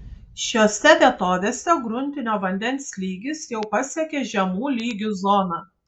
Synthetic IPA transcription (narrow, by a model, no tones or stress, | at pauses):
ʃʲoːsʲɛʋʲɛt̪oːʋʲeːsʲɛɡɾʊnʲt̪ʲɪnʲoːʋɐnʲd̪ʲɛnʲsʲlʲiːɡʲɪsjɛʊpɐsʲɛkʲeːʒʲɛmuːlʲiːɡʲuzɔːnɑː